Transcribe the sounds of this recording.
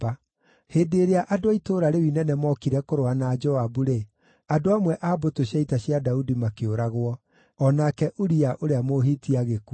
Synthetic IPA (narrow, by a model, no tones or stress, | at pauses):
a | heːdeɾeaʔadoaitoɾaɾewinɛnɛmɔkiɾɛkoɾoanaːd͡ʒɔabuɾe | adoamwɛʔaːbotoɕjaitaɕjadaudimakeoɾaɣwɔ | ɔnakɛʔoɾiaʔoɾeamoɦitiaɣeku